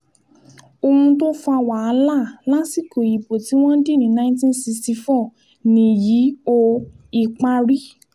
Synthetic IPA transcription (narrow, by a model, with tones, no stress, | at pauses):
o˧hũ˧to˦fũ˧a˧wa˨a˧la˦˨la˦si˦˨ko˨ji˨po˨ti˨˦w̃ɔ̃˦n˦di˦˨nĩ˨˦nã˦ĩ˦ntĩ˦nsi˧ksti˧fɔ˦˨ | nĩ˧ji˨˦o˧ | i˧k͡pa˧ɾi˦